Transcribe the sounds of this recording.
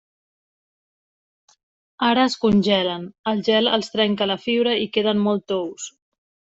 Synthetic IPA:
aɾəːskunʲʒɛlənəlˠʒɛlə̰lˠst̪ɾɛŋkələfiβɾəikeð̞ənmɔlˠt̪ows

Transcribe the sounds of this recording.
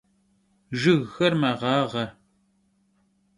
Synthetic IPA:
ʒɨɣːɐrmɐʁɑːʁɐr

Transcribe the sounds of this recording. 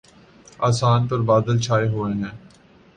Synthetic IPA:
aːsaːnpəɾbaːd̪əlt͡ʃʰaːeɦoːẽɦɛ̃ː

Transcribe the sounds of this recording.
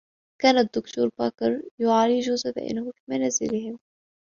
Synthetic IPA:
kaːnad̪ːʊkt̪uːɾˤbakɑɾˤjʊʕaːliːʒʊzab̪a̰ʔɪ̰nːhʊfimanaːzɪ̰lɪhɪm

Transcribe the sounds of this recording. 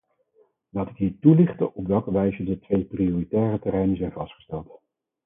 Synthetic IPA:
laːtɪkɦiːɹtulɪχtəʔɔpʋɛlˠkəʋɛjzədətʋejprioritɛːrətərɛjnəzɛjnvɑstχə̥stɛlˠt

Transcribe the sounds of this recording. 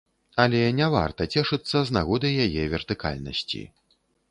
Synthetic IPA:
ɐlʲɛnʲɛva̰rt̪ɐt͡sʲɛʂɨt̪sːɐznaɣɔd̪ɨjjajɛvʲɛrt̪ɨka̰lʲnɐ̰sʲt͡sʲḭ

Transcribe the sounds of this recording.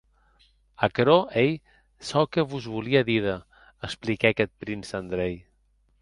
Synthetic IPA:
akɾoʔej | sɔwkəβuzβuliəðiðə | əsplikɛkɛt̪̚pɾinsand̪ɾɛj

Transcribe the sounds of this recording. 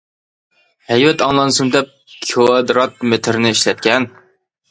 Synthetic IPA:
hɛjvɛt̪ɑŋlˠɑnɨsɨmd̪ɛp̚kʲʰiɑd̪ɾɑt̪̚met̪ʰɪɾnɪiʃlɛt̪̚kʲɛn

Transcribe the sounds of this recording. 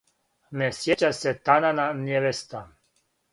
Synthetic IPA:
nɛsjɛt͡ʃasɛt̪anananjɛvɛst̪an

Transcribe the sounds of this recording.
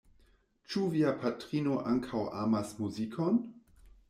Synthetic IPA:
t͡ʃuviapʰatɾinoʔaŋkʰawʔa̰masmuzikʰon

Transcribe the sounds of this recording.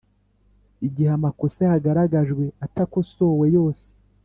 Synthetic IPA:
iɟihamakosehaɡaɾaɡaʒɡwe̞atakoso̞ːwe̞jo̞ːse̥

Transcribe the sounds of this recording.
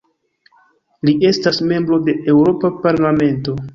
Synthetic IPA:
liʔe̞stasme̞mbɾo̞de̞e̞wɾo̞papaɾlame̞nto̞

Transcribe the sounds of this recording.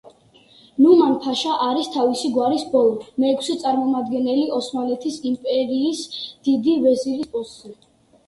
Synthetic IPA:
numanpʰaʃaʔaɾist̪ʰavisiɡwaɾisbɔlˠɔmɛːkʰsɛt̪sʼaɾmɔmad̪ɡɛnɛliɔsmalɛt̪ʰisimpʼɛɾiːsd̪̥id̪ivɛziɾispʼusɛ

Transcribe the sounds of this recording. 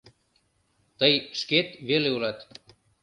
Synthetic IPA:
t̪əjʃket̪βeleulɑt̪

